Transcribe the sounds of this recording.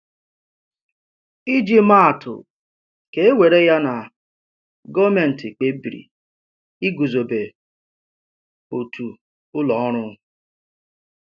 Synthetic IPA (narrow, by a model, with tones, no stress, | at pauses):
i˦d͡ʒi˦ma˦˨tʰʊ̰˨ | ke˦e˦we˨ɾe˦ja˦na˨ | ɡɔ˦me˨n̩˨tɪ˨k͡pe˨˦bi˨ɾḭ˨ | i˦ɡu˨zo˨be˨ | o˨tʰu˨ | ʊ˦lɔ˨˦ɔ˦ɾ̃ʊ˦